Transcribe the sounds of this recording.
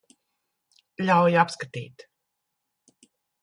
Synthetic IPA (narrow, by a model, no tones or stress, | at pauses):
ʎʲawjapskat̪ḭːt̪